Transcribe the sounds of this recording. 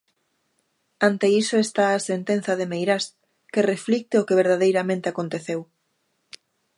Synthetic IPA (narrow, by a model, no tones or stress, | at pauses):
ant̪eisoest̪aːsent̪en̟θɐðemejɾas | kereflik̚t̪eokeβ̞eɾðaðejɾamẽnt̪eakont̪eθew